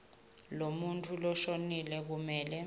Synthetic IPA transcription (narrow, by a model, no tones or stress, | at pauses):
lomuntʰulɔʃonilɛk̬umɛːlɛ